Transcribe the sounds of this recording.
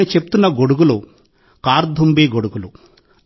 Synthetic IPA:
it͡ʃepu̥t̪unːɐɡoɽuɡulu | kaːɾd̪ʱumbiːɡoɽuɡulu

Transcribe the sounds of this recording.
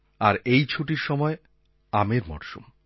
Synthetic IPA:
aɾejt͡ɕʰuʈiɾʃɔmɔe | ameɾmɔ̰ɾʃṵm

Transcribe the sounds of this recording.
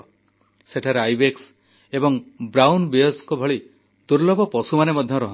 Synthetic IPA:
seʈʰaɾeajbeks | ebɔŋbɾawnbeɔskubʱɔɭi | d̪̥uɾlɔbɔpɔsumanemɔd̪ʱjɔɾɔɦ

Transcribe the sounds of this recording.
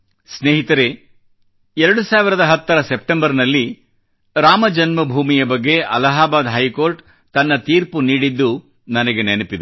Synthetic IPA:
sneːɦit̪ɐɾe̞ | ɛɾɐɽusaːʋiɾɐd̪ɐɦɐt̪ːɐɾɐsep̚ʈembɐɾnɐlːi | ɾaːmɐd͡ʒɐnmɐbʱuːmijɐbɐɡːe̞ʔɐlɐɦaːbaːd̪ɦɐjko̞ːɾʈ | t̪ɐnːɐt̪iːɾpuniːɽid̪ːu | nɐnɐɡe̞nenepid̪e

